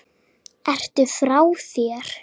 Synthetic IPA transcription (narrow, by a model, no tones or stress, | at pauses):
ɛr̥t̪ʏfɾawθjɛːɾ̥